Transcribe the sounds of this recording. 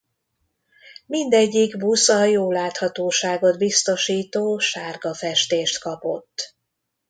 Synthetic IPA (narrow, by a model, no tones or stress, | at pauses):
mind̪ɛɟːikbusɒjoːlaːt̪hɒt̪oːʃaːɡo̞d̪bist̪o̞ʃiːt̪oːʃaːrɡɒfɛʃt̪eːʃt̪kɒpo̞̰t̪ː